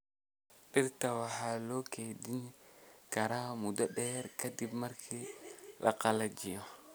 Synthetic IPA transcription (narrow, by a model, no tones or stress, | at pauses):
ɗɪrt̪ɐwɑħalɔːkʰeːd̪inkɐɾaːmud̪ɐɗɛːɾkʰɐd̪ɪbmɐrkʰiːlʔɐ̰qɐlɐd͡ʒɪjɔ